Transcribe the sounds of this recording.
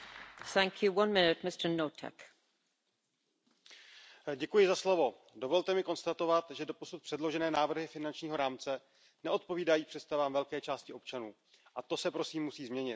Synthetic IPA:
θæ̃ŋkʰjuwʌ̃nmɪnɪt̚mɪstənotʰɛ̰k | ɟɛkujɪzaslo̞vo̞ | do̞vo̞lt̪ɛmɪko̞nst̪at̪o̞vat̪ʒɛdo̞po̞sut̪̚pr̥ɛdlo̞ʒɛnɛːnaːvr̩ɦɪfɪnant͡ʃɲiːɦo̞ɾaːmt͡sɛ | nɛo̞t̪po̞viːdajiːpr̝̥ɛt̪st̪avaːmvɛlkɛːt͡ʃaːscɪʔo̞p̚t͡ʃanuː | ʔat̪o̞sɛpɾo̞siːmːusiːzmɲɛɲɪt̪

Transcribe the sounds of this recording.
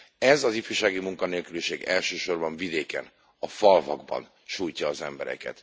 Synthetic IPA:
ɛzɒzifyːʃaːɡimuŋkɒneːlkyliʃeːɡɛlʃøːʃo̞rbɒɱvid̪eːkɛ̰n | ɒfɒlvɒɡbɒ̰n | ʃuːjcɒːzɛmbɛɾɛ̰kɛ̰t̪

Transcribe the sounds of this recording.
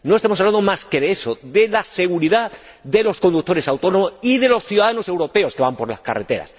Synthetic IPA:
no̞est̪amosaβland̪omaske̞ðeesoðe̞lase̞ɣ̞uɾiða | ðe̞lo̞sko̞nd̪uk̚t̪ːo̞ɾe̞sawt̪o̞nomosiðe̞lo̞sθjuðaðano̞se̞wɾo̞pe̞o̞ske̞βampo̞ɾlaska̰ret̪e̞ɾa̰s

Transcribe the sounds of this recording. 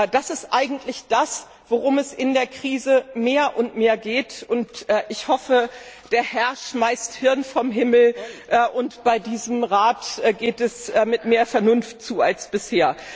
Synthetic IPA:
d̥asɪstʔaɪɡŋ̩tʰlɪçd̥as | v̥oʁʊmɛsɪndeːɐkʁ̥iːzəmeːɐʔʊntmeːɐɡeːtʊntʔɛːʔɪçhɔfəd̥eːɐhɛɐʃmaɪsthɪɐnfɔmɦɪml̩ʔːʔʊntb̥aɪdiːzəm̩ʁaːtʔɡeːtɛsːmɪtmeːɐfɛɐnʊnftt͡suːalsb̥ɪsheːɐ

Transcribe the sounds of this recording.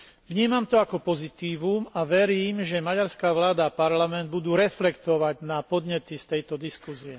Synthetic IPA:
ʋɲiːmamt̪ɔakɔpɔzit̪iːʋumaʋɛɾiːmʒɛmaɟaɾskaːʋlaːd̪aːpaɾlamɛnd̪̚bud̪uːɾɛflɛkt̪ɔʋaɟnapɔd̪ɲɛt̪ist̪ɛjt̪ɔd̪iskuziɛ

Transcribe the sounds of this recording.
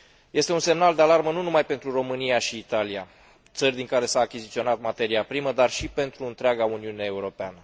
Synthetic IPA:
je̞st̪e̞unse̞mnald̪e̞alarmənunumajpe̞nt̪ɾuro̞mɨnijaʃiːt̪alia | t̪sərʲd̪iŋkaɾe̞saːkʲizit̪sio̞nat̪mat̪e̞ɾiapɾiməd̪arʃipe̞nt̪ɾuɨnt̪ɾeaɡauniuneeuɾo̞peanə

